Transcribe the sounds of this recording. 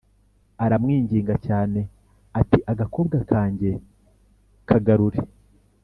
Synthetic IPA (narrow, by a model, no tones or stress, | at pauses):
aɾamŋiːɲɟiːŋɡacaːne̞ | atiʔaɡako̞ːbɡakʰaːɲɟe̞ | kʰaɡaɾuɾe